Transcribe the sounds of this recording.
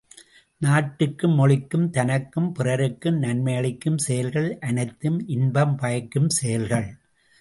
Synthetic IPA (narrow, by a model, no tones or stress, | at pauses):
naːʈːɯkːɯmːɔɭɪkːɯmt̪ɐnɐkːɯmpɪrɐɾɯkːɯmnɐnmɐjɐɭɪkːɯmsɛjɐlɣɐɭʔɐnɐɪt̪ːɯmʔɪnbɐmpɐjɐkːɯmsɛjɐlɣɐɭ